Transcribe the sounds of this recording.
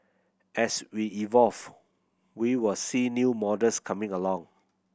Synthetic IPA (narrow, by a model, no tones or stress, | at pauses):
ʔɛswiivɔlv | wiwɪlsinjumɔdəskʰamɪ̃ŋəlɔ̃ŋ